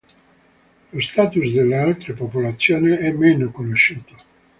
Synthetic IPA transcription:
lost̪aːt̪usd̪elːealt̪ɾepopolat̪sːjoːneɛmːenokonoʃːuːt̪o̥

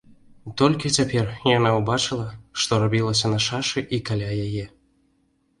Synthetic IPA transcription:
t̪olʲkʲɛt͡sʲapʲerjanaubat͡ʃɨlˠɐʂt̪ɔɾabʲilˠəs̬ʲɐnɐʂaʂɨʔikalʲajaje

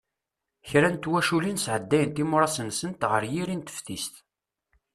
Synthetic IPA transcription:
çɾænt̪wæʃulinsʕəd̪ːæjənt̪imʊɾˤɑsəmsənt̪ʁəɾjiɾint̪ə̥fθist̪

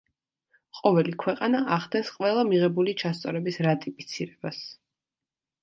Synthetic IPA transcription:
qʼɔvɛlikʰwɛqʼanaʔaχd̪ɛsqʼwɛlˠamiʁɛbulit͡ʃʰast̪sʼɔ̰ɾɛbisɾat̪ʼipʼit̪sʰiɾɛbas

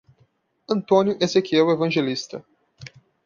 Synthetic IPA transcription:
ɐ̃nt̪õnʲjʊʔezekiɛwevɐ̃ʒelist̪ɐ

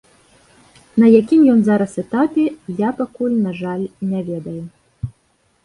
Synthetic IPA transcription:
nɐjakʲimjɔnzaɾɐsɛt̪apʲɛjapakulʲnaʐalʲnʲavʲɛd̪ɐju

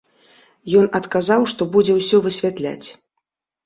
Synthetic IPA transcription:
jɔnɐt̪kazawʂt̪ɔbud͡zʲɛwsʲɔvɨsʲvʲat̪lʲa̰t͡sʲ

